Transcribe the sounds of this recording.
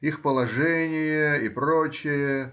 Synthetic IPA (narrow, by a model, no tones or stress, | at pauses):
ixpəlˠɐʐɛnʲɪjəipɾot͡ɕɪjə